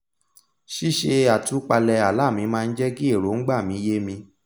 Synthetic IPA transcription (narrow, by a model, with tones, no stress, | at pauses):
ʃi˦ʃe˧a˨tũ˨˦k͡pa˧lɛ˧a˨la˦˨mĩ˨˧˦mãː˧n̩˦d͡ʒɛ˦ɡi˦e˦˨ɾo˨˦ŋ̩˦ɡ͡ba˦˨mĩ˨˧˦je˦mĩ˧